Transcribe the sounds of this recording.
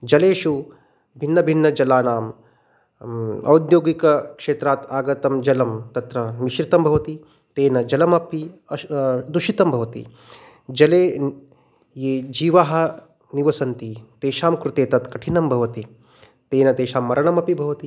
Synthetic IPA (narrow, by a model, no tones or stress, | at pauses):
d͡ʒɐleːʃu | bʱinːɐbʱinːɐd͡ʒɐlaːnaːm | ɐ̰wd̪joːɡikɐkʂeːt̪ɾaːt̪aːɡɐt̪ɐmd͡ʒɐlɐmt̪ɐt̪ɾɐmiʃɾit̪ɐmbʱɐʋɐt̪i | t̪eːnɐd͡ʒɐlɐmɐpiɐd̪uʃit̪ɐmbʱɐʋɐt̪ḭ | d͡ʒɐleː | jeːd͡ʒiːʋaːɦɐ̆ | niʋɐsɐnt̪it̪eːʃaːmkɾut̪eːt̪ɐt̪kɐʈʰinɐmbʱɐʋɐt̪i | t̪eːnɐt̪eːʃaːmːɐɾɐɳɐmɐpibʱɐʋɐt̪i